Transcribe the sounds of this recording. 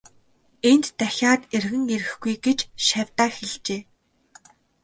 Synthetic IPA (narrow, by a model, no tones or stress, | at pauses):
ent̪ːæxʲaːt̪erɣɘ̆ŋeɾɘ̆xɡujɡet͡ɕʃawʲt̪aːxeɮt͡ɕeː